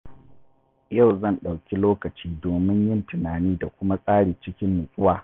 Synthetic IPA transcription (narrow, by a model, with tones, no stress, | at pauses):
ja˦˨wzɐ˦˨nɗa˨wkʲi˦loː˦kɐ˨t͡ʃiː˦doː˨mɪ˦ɲjɪ˦˨ntʊ˨naː˨niː˦da˨kʷʊ˦ma˦sʼaː˦ɽiː˨t͡ʃɪ˦kʲɪ˦mːʊ˨sʼʊ˦waː˨